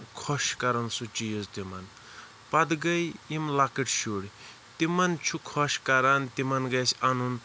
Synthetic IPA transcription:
kʰɔʃkaɾɐnsut͡ʃijozt̪imɐn | pɐd̪ɡɐjimlakiʈʰʃuɽ | t̪imɐnt͡ʃʰukʰɔʃkaɾant̪imɐnɡɐsanun

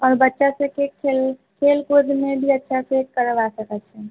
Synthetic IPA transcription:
ɔɾbətːʃasə̃kekʰelkʰelkod̪mebʱiətːʃʰasekkəɾbasəkət͡ʃʰɛ

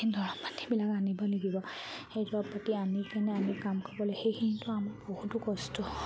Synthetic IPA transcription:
indʱɔɹɔpːḁtʰːibilakanibɔneɡibɔxejdɔɔpːatianikanɛanikamkʰɔbɔlɔjxejkʰinitʊamaɹbohutʊkɔstɔ

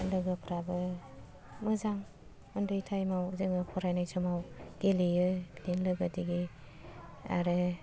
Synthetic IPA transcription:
lɯɡɯpʰɾabɯ | mɯzaŋ | ɯndɯjtʰajmawzɯŋɯpʰɔɾajnajsɔmawɡelijɯlinlɯɡɯdiɡi | a̰ɾɯ

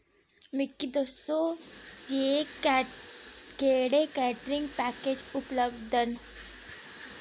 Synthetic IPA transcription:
mɪkːid̪osoje | ɡeːɽekɛːʈɾɪ̃ŋɡpɛːkeːd͡ʒʊpləbd̪ən

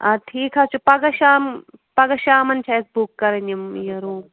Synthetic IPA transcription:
aʈʰiːkɦaːt͡ʃʰupɐɡɐʃaːmpɐɡɐʃaːmɐnt͡ʃʰaːesbukːɐɾɐnimjɐɾuːm

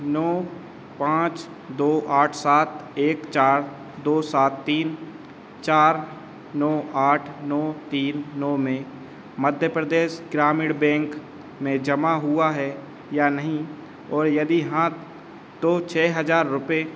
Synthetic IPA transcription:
nɔː | pãːt͡ʃ | d̪oːʔaːʈʰsaːt̪eːkt͡ʃaːɾ | d̪oːsaːt̪ːiːn | t͡ʃaːɾ | nɔːaːʈʰnɔːt̪iːnːɔːmẽ | məd̪ʱjəpɾəd̪eːʃɡɾaːmɪɽbɛ̃ːŋk | mẽd͡ʒɐmaɦʊaɦɛ | jaːnɐɦĩ | ɔːɾjɐd̪iɦã | t̪ot͡ʃʰɛːɦɐzaːɾːʊpe

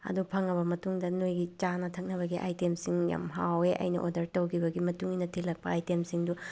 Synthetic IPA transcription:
ɐ̰dupʰɐŋːɐbɐmɐtuŋdɐnojɡit͡ʃanɐtʰɐk̚nɐβɐɡiʔa̰jtemsiŋja̰mɦaweʔɐ̰jnɐ̰ʔo̰dɐɾtɐwkʰibɐɡimɐtuŋinɐtʰilɐk̚pɐajtemsiŋdu

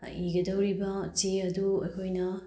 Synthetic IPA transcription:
iɡɐdɐwɾibɐt͡ʃiɐduɐjkʰojnɐ

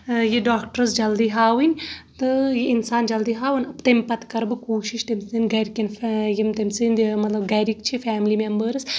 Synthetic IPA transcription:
jeɖaːk̚ʈəɾɨsd͡ʒɐld̪iɦaːwinʲt̪ɨjeinsaːnd͡ʒɐld̪iɦaːwɨnʲɐpt̪ɐmʲpɐt̪kɐɾbɨkoːʃiʃt̪ɐmʲsɨnɡɐɾikɐnfjimt̪ɐmʲsɨnd̪mɐt̪lɐbɡɐɾikt͡ʃʰifaːmlimembəɾɨs

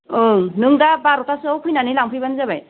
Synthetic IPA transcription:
ownɯŋdabaɾɔtasɯawkʰujnanilaŋpʰɯjbanzaβaj

